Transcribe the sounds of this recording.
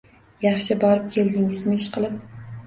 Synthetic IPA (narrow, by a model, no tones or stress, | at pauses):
jɑχʃɪbɒɾɪp̚kʲʰe̞ld̪ɪŋɪzmɪɪʃqɨlˠɪp̚